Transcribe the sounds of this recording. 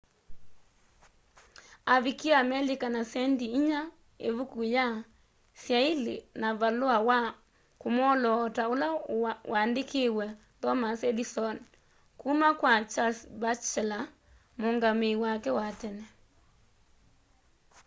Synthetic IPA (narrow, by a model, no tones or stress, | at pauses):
aβikiamɛlikanasɛndiːɲa | ḛβukuja | sjailḛnaβaloawa | komɔlɔtaolawaːndekʰewɛ | tɔmasɛdisɔn | kuːmakwat͡ʃasbat͡ʃɛla | moŋɡamewakɛwatɛnɛ